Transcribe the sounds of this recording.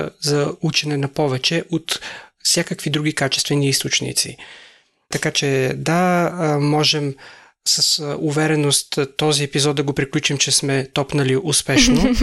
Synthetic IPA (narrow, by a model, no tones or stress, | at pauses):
zɐut͡ʃɛnɛnɐpɔvɛt͡ʃɛʔot̪fsʲjakəkvid̪ɾuɡikat͡ʃɛst̪vɛniist̪ot͡ʃnḭt̪sḭ | t̪ɐkat͡ʃɛd̪amɔʒɛm | sɐsuvɛɾɛnost̪t̪ɔziɛpizɔd̪d̪ɐɡopɾiklʲut͡ʃimt͡ʃɛsmɛt̪ɔpnɐliʔʊspɛʃno